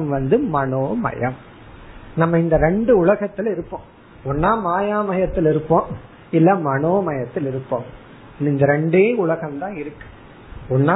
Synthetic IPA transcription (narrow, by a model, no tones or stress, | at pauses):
mʋɐnd̪ɯmɐɳoːmɐ̰jɐm | nɐmːɐɪnd̪ɐɾɛɳɖɯʊɭɐɣɐt̪ːɪlɪɾɯpːõː | ɔnːaːmaːjaːmɐjɐt̪ːɪlɪɾɯpːõː | ɪlːɐmɐnoːmɐjɐt̪ːɪlɪɾɯpːõːm | ɪnɪnd̪ɐɾɛɳɖeːʊɭɐɣɐmt̪ãːɪɾɯkːɯ̥ | ɔnːaː